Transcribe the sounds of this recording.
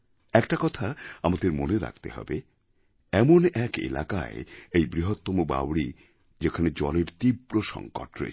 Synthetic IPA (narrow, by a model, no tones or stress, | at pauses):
ɛkʈakɔt̪ʰaamad̪eɾmoneɾa̰kt̪eɦɔ̰be | ɛmonɛkḛla̰ka̰eejbɾiɦot̪ːomoba̰wɽi | d͡ʑekʰaned͡ʑɔleɾt̪ibɾoʃɔ̰ŋko̰ʈɾo̰ḛ